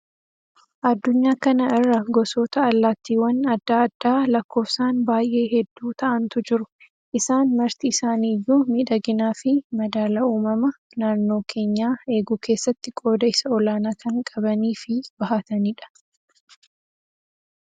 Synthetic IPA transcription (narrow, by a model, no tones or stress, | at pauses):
ʔɐd̪ːʊɲːaːkɐnɐɪrːɐɡɔsoːt̪ɐːlːaːt̪ːiːwɐnɐd̪ːaːɐd̪ːaːlɐkːo̞ːfsaːnbaːjʔe̞ːɦɛd̪ːuːt̪ɐʔɐnt̪ʊd͡ʒɪɾʊ | ʔɪsaːnmɐɾt̪iːsaːniːjːuːmiːᶑɐɡɪnaːfɪmɐd̪aːlɐuːmɐmɐ | naːnːo̞ːkʰe̞ːɲːaːe̞ːɡuːkʰe̞ːsːɐt̪ːɪkʼo̞ːd̪ɐɪsɐɔlaːnaːkɐŋkʼɐbɐniːfɪb̥ɐɦaːt̪ɐniːᶑɐ̥